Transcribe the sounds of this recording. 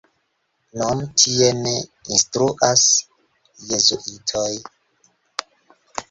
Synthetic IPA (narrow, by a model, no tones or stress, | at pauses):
nontʰieneinstɾuʔas | jezuʔitʰoj